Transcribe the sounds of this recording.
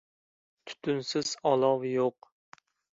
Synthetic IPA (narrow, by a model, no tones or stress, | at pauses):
t̪ʰy̥t̪ʰynsɪz̥ɑlˠɑwjoq